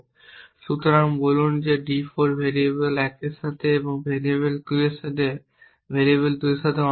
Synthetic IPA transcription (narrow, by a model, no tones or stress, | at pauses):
ʃut̪ɾaŋbɔlund͡ʑeɖifɔɾbʱeɾiebelɛkeʃat̪ʰeeboŋbʱeɾibelkueʃat̪ʰe | bʱeɾieβeld̪ueʃat̪ʰeɔ